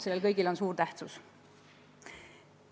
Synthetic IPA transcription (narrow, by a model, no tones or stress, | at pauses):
se̞lːelkɤjɡilo̞nsuːrt̪æht̪sus